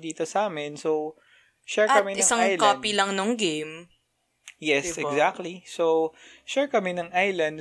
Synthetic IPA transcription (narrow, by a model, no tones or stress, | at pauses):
d̪iːt̪osʔaːmɛnsow | ʃɛɹɐkɐmɛɪsaŋjlkoːpilɐŋnoŋɡejm | jɛssɛɡzak̚t̪lisowʃɛɹkɐmɛnɐŋʔajlɐnd̪